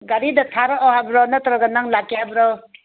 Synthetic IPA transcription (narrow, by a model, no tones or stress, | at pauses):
ɡaɾidatʰaɾɔʔɔhabɾɔnatɾɔɡanaŋlakːjabɾɔ